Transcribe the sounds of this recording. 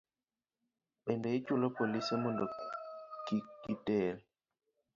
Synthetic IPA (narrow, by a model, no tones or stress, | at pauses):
ɓendeit͡ʃulopolisemondokikitel